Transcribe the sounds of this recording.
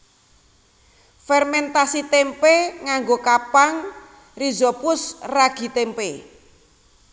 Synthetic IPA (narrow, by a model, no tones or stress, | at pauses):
fɛrmɛnt̪asit̪empeŋaŋɡokapaŋ | rizɔpʊsraɡ̥i̤t̪empe